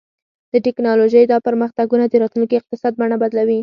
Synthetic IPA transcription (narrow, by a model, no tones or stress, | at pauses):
d̪̥əʈɪknɑloʒəjd̪ɑpəɾməxt̪aɡunad̪əɾɑt̪lunkiɪq̚t̪ɪsɑd̪̚baɳabad̪lawi